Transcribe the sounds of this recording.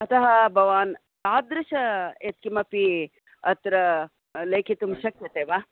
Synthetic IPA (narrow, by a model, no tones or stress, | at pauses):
ɐt̪ɐɦɐbʱɐʋaːn | taːd̪ɾɐʃɐet̪̚kimɐpi | ɐt̪ɾɐ | lɐjkʰit̪umʃɐkjɐt̪eːʋa